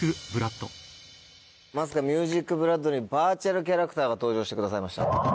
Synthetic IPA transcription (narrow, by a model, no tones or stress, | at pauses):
ɯbɯ̟ɾat̪ːo | mas̬ɨ̥kamʲjɯːʑikːɯ̟bɯ̟ɾad̪o̞ɲ̟ibaːt͡ɕaɾɯ̟kʲaɾakɯ̟t̪aːɡat̪o̞ːʑo̞ːɕi̥t̪ekɯ̟d̪as̬aimaɕi̥t̪a̰